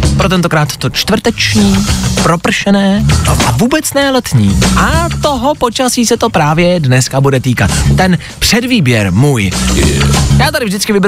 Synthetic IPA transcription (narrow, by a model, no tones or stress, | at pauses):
pɾo̞t̪ɛnt̪o̞kɾaːt̪ːo̞t͡ʃt̪vr̩t̪ɛt͡ʃɲiːpɾo̞pr̩ʃɛnɛːʔavuːbɛt͡snɛlɛt̪ɲiːʔat̪o̞ɦo̞po̞t͡ʃasiːsɛt̪o̞pɾaːvjɛdnɛskabudɛt̪iːkat̪ːɛn | pr̝̥ɛdviːbjɛɾmuːj | jaːt̪aɾɪvʒdɪt͡skɪvɪb